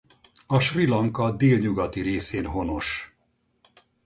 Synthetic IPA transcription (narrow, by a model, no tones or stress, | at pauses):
ɒʃrilɒŋkɒd̪eːlɲuɡɒt̪iɾeːseːnɦo̞no̞ʃ